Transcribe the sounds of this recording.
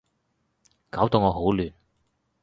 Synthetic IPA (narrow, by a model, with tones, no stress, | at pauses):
kaː˨˥wt̪o˨˧wŋɔː˨˧ɦo˨˥wlyː˨n